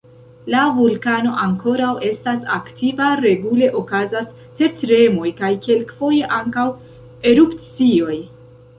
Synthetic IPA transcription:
lavulkano̞ʔaŋko̞ɾawe̞stasa̰ktʰivaɾe̞ɡule̞ʔo̞kazas | te̞ɾtɾe̞mo̞jkajke̞lkfo̞je̞ʔaŋkaw | e̞ɾupt͡sio̞j

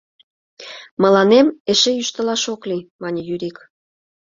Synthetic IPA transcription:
mə̆lɑnemeʃejyʃt̪ə̆lɑʃoklimɑnʲəjyɾʲik

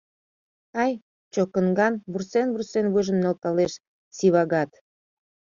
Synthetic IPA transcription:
ɑj | t͡ɕokə̆nɡɑnβursenβursenβuʒə̆mnɑlt̪ɑleʃ | siβɑɣɑt̪

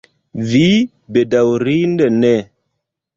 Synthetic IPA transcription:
vi | bedawɾindenɛ

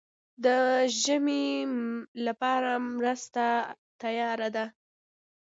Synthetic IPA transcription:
d̪əʒəme | lapɑɾamɾəst̪a | t̪ajɑɾad̪a

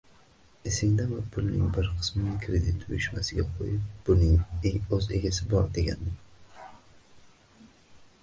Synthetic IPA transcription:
esɪŋd̪amɪpʰʊlˠnɪ̰ŋbɪɾqʰɨ̥smɪnɪkʲʰɾed̪ɪt̪ʰʊjɪʃmasɪɡʲaqʰo̰jɪp̚b̥ʊnɪŋɵze̞ɡʲasɪbɒɾd̪e̞ɡʲa̰nd̪ɪ

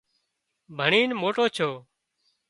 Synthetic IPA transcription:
bʱəɳiːnmoːʈoːt͡ʃʰoː

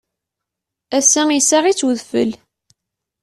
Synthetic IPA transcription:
æsːæŋisaʁit͡sːwəðfə̰l

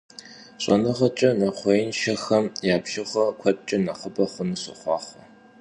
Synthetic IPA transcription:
ɕʷʼɐ̰nɨʁɐt͡ʃʼɐnɐχʷejɪnʃɐxɐmjaːpʃɪχʷɐkʷʰɐtʼt͡ʃʼɐnɐχɐbɐχʷʊnɨɕɐ̰χʷɑːχʷɐ

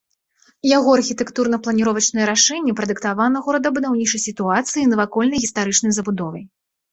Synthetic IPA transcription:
jaɣɔarxʲit̪ɛkt̪urnɐplˠɐnʲiɾɔvɐt͡ʂnɨjɛɾaʂɛnʲːɛpɾɐd̪ɨkt̪avanɐɣɔɾɐd̪ɐbud̪awnʲit͡ʂɐjsʲit̪uat̪sɨjinɐvakɔlʲnɐjɣʲist̪aɾɨt͡ʂn̪ɐjzɐbud̪ɔvɐj

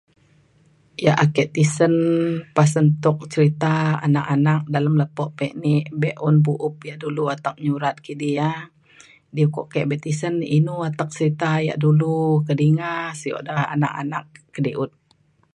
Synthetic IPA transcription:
jaʔakɛʔt̪isənpasənt̪ʊk̚t͡ʃəɾit̪aa̰nakanak̚daləmləpɔʔpɛʔnɪʔbɛʔɔnbuʔʊp̚jaʔduluat̪ak̚ɲuɾat̪̚kidija | diəkɔ̰ʔkɛʔbɛt̪isəninuat̪ak̚t͡ʃəɾit̪aja̰ʔdulukədiŋasəjɔ̰ʔdaa̰na̰ka̰nakːədiʔʊt̪̚

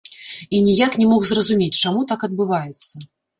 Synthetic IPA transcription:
inʲijaknʲɛmɔxzrɐzumʲet͡sʲt͡ʂamut̪akɐd̪̚bɨvajɛt̪sːɐ

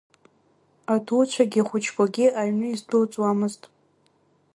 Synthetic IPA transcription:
atʰut͡ɕʷʰaɡʲiχʷʊt͡ʃʰkʰʷʼaɡʲɪʔaɥnɨizdult͡sʼwamɨztʼ

